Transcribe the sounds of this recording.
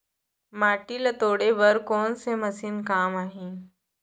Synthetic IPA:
maːʈilət̪oːɽebɐɾkɔːnsemɐsɪnkaːmaːɦĩː

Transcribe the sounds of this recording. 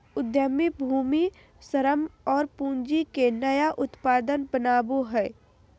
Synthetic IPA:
ʊd̪jəmibʱuːmi | səɾəmɔːɾpũːɲd͡ʒikenɐjaʔʊt̪paːd̪ənbənaːboɦɛː

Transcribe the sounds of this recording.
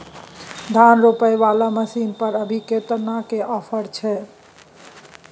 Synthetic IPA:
d̪ʱanɾopəjʋalaməsinpəɾəbʱiket̪nakeʔɔpʰəɾt͡ʃʰɛ

